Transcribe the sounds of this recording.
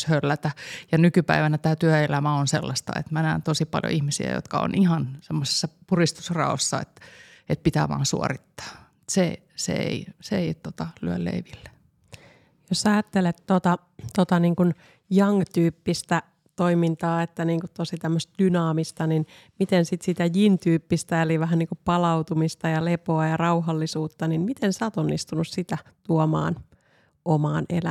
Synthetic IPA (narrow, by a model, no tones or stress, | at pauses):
hølːæt̪æjɑnykypæiʋænæt̪æːt̪yæelæmæonsḛlːɑst̪ɑ̰ḛt̪mænæːnt̪osipɑ̰ljo̰ʔihmisiæ̰jo̰t̪kɑo̰nihɑnsemːose̥sːɑpurist̪u̥srɑ̰osːɑḛt̪et̪̚pit̪æ̰ʋɑ̰ːnsṵo̰rit̪ːɑ̥ː | t̪se | sḛḛiseeit̪ot̪ɑlyøllḛiʋilːe | jossɑjɑt̪ːelet̪tot̪ɑ | t̪ot̪ɑniːŋkun | jɑŋt̪yːpːist̪æ | t̪oimint̪ɑːet̪ːæniːŋkut̪t̪osit̪æmːøst̪̚d̥̪ynɑːmist̪ɑnin | mit̪ensit̪sit̪æjint̪yːpːist̪æeliʋæɦænniːŋkuppɑlɑuwt̪umist̪ɑjɑlepoɑjɑrɑuɦɑlːisuːt̪ːɑninmit̪ensæːt̪onːist̪unussit̪æt̪uomɑ̰ːn | ʔomɑːnḛlæ